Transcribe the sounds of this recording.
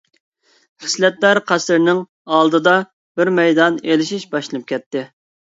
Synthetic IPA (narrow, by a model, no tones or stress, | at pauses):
χə̥slɛt̪læɾqʰæsɪɾnɪŋ | ɑlˠd̪ɨd̪ɑ | b̥ɪɾmɛjd̪ɑnelɪʃiʃbɑʃlˠlnɨp̚kʲɛt̪ːɪ